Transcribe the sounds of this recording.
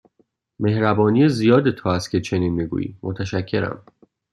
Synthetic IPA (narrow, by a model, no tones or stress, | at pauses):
me̞hɾæbɒːnijezijɒːd̪et̪ʰoːæst̪̚cʰet͡ʃʰe̞niːnmiɡṵːjḭːmʔo̰t̪ʰæʃæcʰːe̞ɾæ̰m